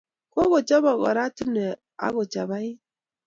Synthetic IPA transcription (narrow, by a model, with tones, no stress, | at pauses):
ko˦ɣo˨t͡ʃɔ˦βɔ˨ɣɔ̰˨ɾa˦ti˦n˨ɛ˨ | a̰˦ɣo˨t͡ʃa˨βa˦ɪ˦